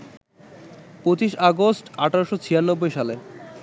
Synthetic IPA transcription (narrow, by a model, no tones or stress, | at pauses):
pɾot͡ɕiʃaɡosʈaʈʰaɾoʃot͡ɕʰijanːobːojʃale